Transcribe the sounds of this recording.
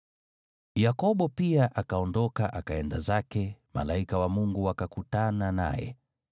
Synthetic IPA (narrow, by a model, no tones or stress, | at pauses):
jakɔɓɔpiaʔakaɔndɔkaʔakaɛndazakɛma̰laikawamuŋɡuwakakutanana̰jɛ̰